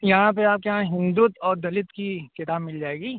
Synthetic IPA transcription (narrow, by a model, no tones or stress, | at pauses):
jɐɦãpeaːp̚keɦãɦɪ̃nd̪uːt̪ɔːɾd̪ɐlɪt̪kikɪt̪aːbmɪld͡ʒaːeːɡiː